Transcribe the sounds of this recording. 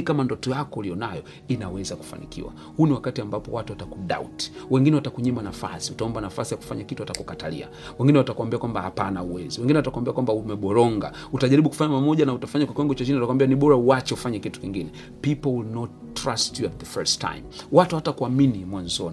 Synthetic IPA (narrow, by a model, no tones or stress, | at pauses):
kamandɔtɔjakɔulijɔnajɔ | inawɛzaku̥fa̰nikḭwa̰ | huniwakatiambapɔwatuwatakuɗa̰ṵti̥wɛŋɡinɛwatakuɲimanafa̰siutaɔmbanafasijaku̥faɲakituwatakukatalḭa̰wɛŋɡinɛwatakuambiakwambahapanauwɛziwɛŋɡinɛwatakuambiakwambaumɛɓɔɾɔŋɡa̰ | utaʄaɾiɓuku̥faɲapamɔʄanautafaɲakwakiwaŋɡɔt͡ʃat͡ʃiniatakwambianiɓɔɾauat͡ʃɛufaɲɛkitu̥kiŋɡinɛ | pipɔwilnɔt | tːɾastjuat̚ðəfɛɹstʰːa̰jmwatuhatakuaminimwanzɔni